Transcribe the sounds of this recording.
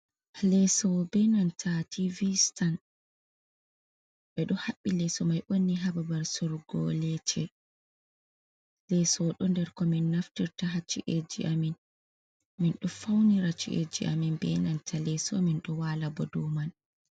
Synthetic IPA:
lɛsɔbɛnantʰativistan | ɓɛɗɔhaɓːilɛsɔmajʔonːiɦababaɾsoɾuɡɔ̰lɛt͡ʃʰɛ | lɛsɔɗɔndɛɾkɔminːaftiɾtaɦat͡ʃːḭʔed͡ʒḭʔamin | minɗɔfawniɾat͡ʃːḭʔḛd͡ʒḭʔa̰minbɛ̰nantʰalɛsɔ̰minɗɔwalabɔdɔman

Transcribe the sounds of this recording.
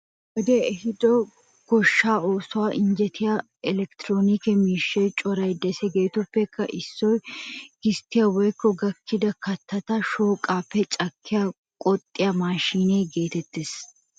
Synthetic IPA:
wɔd̪eɛhɪd̪ɔ | ɡ̥ɔʃːaːoːsʊwaːʔɪnd͡ʒɛt̪ʰɪjɐ | ɛlɛkt̪ɾoːnikɛmiːʃːɛjt͡ʃʼɔɾɐjd̪ɛsɛɡe̞ːt̪ʊpːɛkʰːɐʔɪsːɔjɡ̥ɪst̪ːɪjɐwɔjkːɔɡɐkʰːɪd̪ɐkɐt̪ːɐt̪ɐʃoːkʼaːpːɛt͡ʃʼɐkʰːɪja | kʼɔt̪ʼːɪjɐmaːʃiːnejɡe̞ːt̪ɛt̪ːɪs

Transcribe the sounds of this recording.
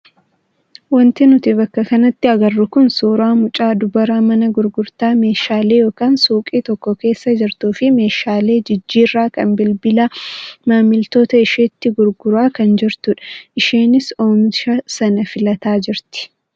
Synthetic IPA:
wɐnt̪ɪnʊt̪ɪbɐkːɐkɐnɐt̪ːɪɐɡɐrːʊkʊnsuːɾaːmʊt͡ʃʼaːd̪ʊbɐɾaːmɐnɐɡʊɾɡʊɾt̪aːme̞ːʃaːle̞ːjo̞ːkaːnsuːkʼiːt̪ɔkːɔke̞ːsːɐd͡ʒɪɾt̪uːfɪme̞ːʃaːle̞ːd͡ʒɪd͡ʒːiːrːaːkɐ̰nbɪlbɪlɐmaːmɪlt̪o̞ːt̪ɐɪʃeːt̪ːɪɡʊɾɡʊɾaːkɐnd͡ʒɪɾt̪ʊᶑɐ̥ʔɪʃeːnɪsoːmʃɐsɐnɐfɪlɐt̪aːd͡ʒɪɾt̪ɪ̥

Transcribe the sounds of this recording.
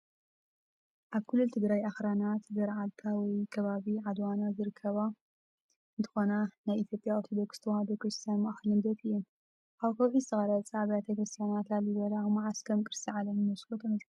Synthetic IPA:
ʔaβkʰɨlːult̪ʰɨɡɾajaxɾanat̪zɐɾʕalt̪ʰawɔjkʰɐβaβiʕad̪wanazɨɾɨkʰːɐβa | ʔɨnt̪ʰɨ̥xo̞nanajʔit̪ʰjo̞pʼjaoɾt̪ʰod̪okst̪ʰwad̪okɾɨst̪ʰijanmaʔxlɨnd̪ɐt̪ʰɨjːu | ʔaβkʰɐwʕisɐɣɐɾat͡sʼaʕβɐjat̪ʰɐkɾɨst̪ʰijanat̪lalɨβɐlamaʕaskʰɐmkʼɨɾsʼiʕalɐmɨnɐskot̪ʰɐmɐs

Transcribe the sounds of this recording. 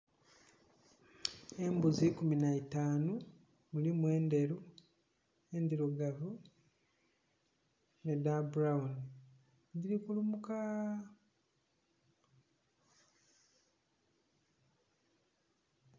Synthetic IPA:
e̞mbuzikuminaitaːnu | mulimwe̞ːnde̞ɾu | e̞nd̪iɾuɡavu | nedabuɾauni | ndiɾikulumuka

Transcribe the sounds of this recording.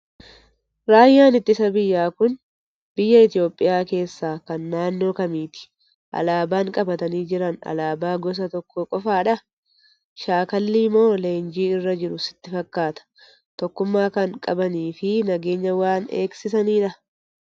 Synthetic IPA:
ɾaːjːaːnɪt̪ːɪsɐbɪjːaːkʊn | bɪjːɐɪt̪ɪo̞ːpʼːɪjaːke̞ːsːaːkɐnːaːnːo̞ːkɐmiːt̪ɪ̥ | ʔɐ̰laːbaːŋkʼɐbɐt̪ɐniːd͡ʒɪɾɐnɐ̰laːbaːɡɔs̬ɐt̪ɔkʰːoːkʼɔfaːᶑɐ | ʃaːkɐlːiːmo̞ːle̞ːnd͡ʒiːɪrːɐd͡ʒɪɾʊsɪ̥t̪ːɪfɐkːaːt̪ɐ̥ | t̪ɔkːʊmːaːkɐŋkʼɐbɐniːfɪnɐɡe̞ːɲːɐwaːnḛːksɪsɐniːᶑɐ

